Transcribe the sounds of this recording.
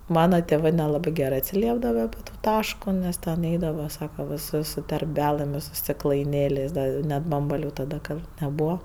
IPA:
ˈmɑːnɐ tʲɛˈʋɜ nʲɛˈlˠɑːbɜ ˈɡʲæːrɜ ɐtʲsʲɪˈlʲiɛbdɐʋɐ ɐpʲɪ ˈtoː ˈtɑːʃkoː ˈnʲɛs tʲɛn ˈɛɪdɐʋɐ ˈsɑːkɐ ʋʲɪˈsʊs sʊ tʲɛrʲˈbʲælˠɘm ɪ sʊ sʲtʲɪklˠɐɪˈnʲeːlʲeːsʲ ˈdɐ ɪ ˈnʲɛt ˈbɐmbɐlʲʊ tɐˈdɐ ˈɡɐlˠ nʲɛˈbuːʋɐ

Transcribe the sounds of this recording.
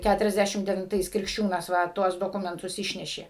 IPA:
ˌkʲætʊrʲɛzʲˈdʲæʃʲɪm dʲɛʋʲɪnˈtɐɪs krʲɪkʃʲˈt͡ʃʲuːnɐs ˈʋɐ ˈtuɔs doːˈkʊmʲɛntʊs ˈɪʃʲnʲɛʃʲeː

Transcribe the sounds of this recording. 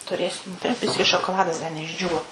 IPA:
tʊˈrʲeːsʲɪm ˈdɐ ˈbʲɪsʲkʲɪ ʃoːkoːˈlˠɑːdɐs ˈdɐ nʲɛɪʒʲˈd͡ʒʲuːʋoː

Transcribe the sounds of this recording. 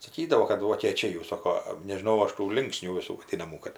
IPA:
sɐˈkʲiːdɐʋoː kɐt ʋoːkʲeːˈt͡ʃʲɛɪ jɛʊ ˈsoːkoː nʲɛʒʲɪˈnɐʊ ˈɐʃ tuː ˈlʲɪŋksʲnʲuː ʋʲɪˈsuː ʋɐˈdʲiːnɐmuː kɐt

